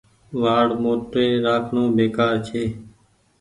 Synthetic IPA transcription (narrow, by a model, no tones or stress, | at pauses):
ʋaːɽmoːʈɾeːɾaːkʰɳõːbeːkaːɾt͡ʃʰeː